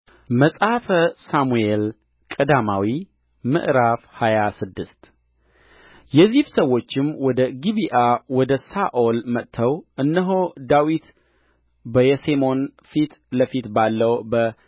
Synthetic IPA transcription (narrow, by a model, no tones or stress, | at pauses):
məsʼhafəsamuel | kʼəd̪amawi | mɨ̰ʔɾafhajasɨd̪ːɨst̪ | jɛzifsəwːo̞t͡ʃːɪmwɔd̪əɡiβiʔawɔd̪əsaʔo̞lmət̪ʰːəwʔɨnːəɦod̪awit̪ | bəjɛsemo̞nfit̪ləfit̪balːəwbə